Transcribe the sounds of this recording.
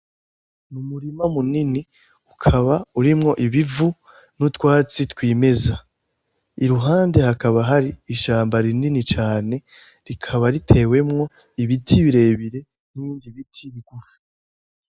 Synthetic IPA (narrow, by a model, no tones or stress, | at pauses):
numuɾimamunini | ukʰaβauɾimŋo̞ʔiβivu | nutkwaːt͡sitkwiːme̞za | iɾuɦaːnde̞hakaβaɦaɾiːʃaːmbaɾininit͡ʃaːne̞ | ɾikʰaβaɾitʰe̞we̞mŋo̞ | iβitʰiβiɾe̞ːβiɾe̞ | niβiːndiβitʰiβiɡufi̥